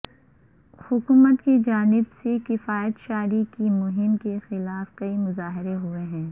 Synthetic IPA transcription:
hʊkuːmət̪kid͡ʒaːnɪbsekɪfaːjət̪ʃaːɾikimʊɦɪmkexɪlaːfkɐimʊzaːɦɪɾeɦʊeɦɛ̃ː

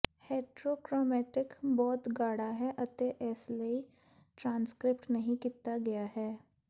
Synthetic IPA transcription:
heːʈɾoːkɾɔːmɛːʈɪkbɔːt̪ɡaːɽaɦɛʔɐt̪eʔɛːslei | ʈɾãːnskɾɪpʈnɐɦĩkit̪aɡɐjaɦɛː

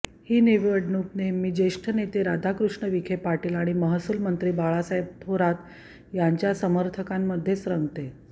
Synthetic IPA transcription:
hiːniʋəɖɳup̚nemiːd͡ʑeʂʈʰənet̪eɾad̪ʱakɾuʂɳəʋikʰepaʈiːlaɽ̃iməɦəsulmənt̪ɾiːbaɭasəjb̚t̪ʰoɾat̪ | jaɲt͡ɕjasəməɾt̪ʰəkamːəd̪ʱːjesɾəŋɡt̪e

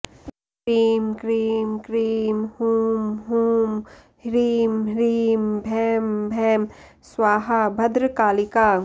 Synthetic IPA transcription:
kɾiːmkɾiːmkɾiːmhuːmɦuːm | hɾiːmɾiːmbʱɛːmbʱɛːm | swaːɦabʱɐd̪ɾəkaːlikaː

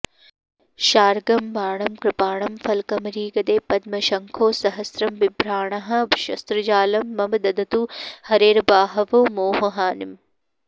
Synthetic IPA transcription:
ʃaːɾɡɐmʋaːɳɐmkɾɪpaːɳɐmfɐlkɐmɾiːɡɐd̪eːpɐd̪̚mɐʃɐŋkʰoːsɐɦɐsɾɐmʋibʱɾaːɳ̃ɐɦɐʃɐ̰st̪ɾɐd͡ʒaːlɐmːɐmɐd̪ɐd̪ɐt̪uhɐɾeːɾɐbaːɦɐʋoːmoːɦɐɦaːnim

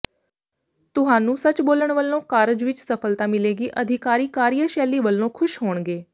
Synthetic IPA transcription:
t̪ʊɦaːnũːsət͡ʃboːləɳʋəlːõːkaːɾəd͡ʒʋɪt͡ʃsəpʰəlt̪aːmɪleːɡiːʔəd̪ʱɪkaːɾiːkaːɾijəʃɛːliːʋəlːõːkʰʊʃɦoːɳɡeː

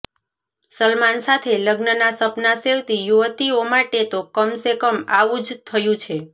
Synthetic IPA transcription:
səlmansat̪ʰeləɡnənasəpnaseʋt̪ijuʋt̪iomaʈet̪okəmsekəmaʋũd͡ʒt̪ʰəjũt͡ʃʰe

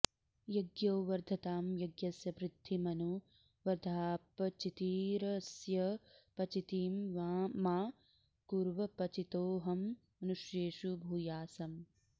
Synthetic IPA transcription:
jɐɡjoːʋɐɾd̪ʱɐt̪aːmjɐɡjɐsjɐpɾɪt̪ːimɐnu | ʋɐɾd̪ʱaːpɐt͡ʃit̪iːɾɐsjɐpɐt͡ʃit̪iːmʋaːmaː | kuɾʋɐpɐt͡ʃit̪oːɦɐmː | ɐnuʃjeːʃubʱuːjaːsɐm

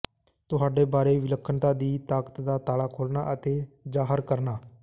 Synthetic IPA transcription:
t̪ʊɦaːɖeːbaːɾeːʋɪləkʰːənt̪ãːd̪iːt̪aːkə̥t̪d̪aːt̪aːlaːkʰoːlna̰ːʔət̪eːd͡ʒaːɦəɾkəɾnaː

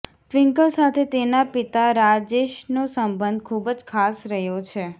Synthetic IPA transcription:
ʈʋɪ̃ŋkəlsat̪ʰet̪enapit̪aɾad͡ʒeʃnosəmbə̃nd̪̚kʰubd͡ʒkʰasɾəɦjot͡ʃʰe

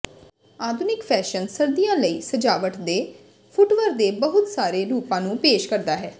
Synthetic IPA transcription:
aːd̪ʱʊnɪkpʰɛːʃənsəɾd̪ijãːləiːsəd͡ʒaːʋəʈd̪eː | pʰʊʈʋəɾd̪eːbəɦʊt̪saːɾeːɾuːpãːnũːpeːʃkəɾd̪aːɦɛː

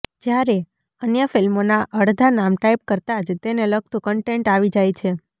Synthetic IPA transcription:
d͡ʒjaɾe | ənjəfilmonaʔəɽd̪ʱanamʈajp̚kəɾt̪ad͡ʒt̪eneləɡ̚t̪ũkəɳʈeɳʈaʋid͡ʒajt͡ʃʰe

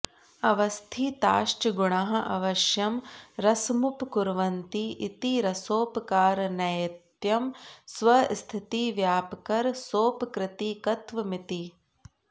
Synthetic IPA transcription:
ɐʋɐst̪ʰit̪aːʃʈɐɡuɳɐɦɐʔɐʋɐʃjɐmɾɐsmupkuɾʋɐnt̪iʔit̪iɾɐsoːpɐkaːɾɐnɐjɐt̪jɐmsʋɐst̪ʰit̪iʋjaːpɐkɐɾsoːpkɾɪt̪ikɐt̪ʋɐmit̪i

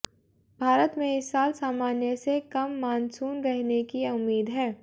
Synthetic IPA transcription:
bʱaːɾət̪mẽɪsːaːlsaːmaːnjəsekɐmːaːnsuːnɾɛɦnekiʊmːiːd̪ɦɛː

